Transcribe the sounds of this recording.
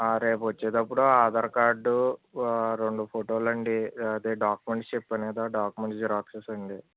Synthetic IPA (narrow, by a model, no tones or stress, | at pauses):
aːɾeːpʋɐt͡ʃːeːt̪ɐpːuɽuaːd̪ɐɾkaːɾɖu | ɾeɳɖupʰoʈoːlɐɳɖid̪eːɖaːkumeɳʈt͡ʃepːɐniːd̪aːɖaːkumeɳʈd͡ʒɾaːksesɐɳɖi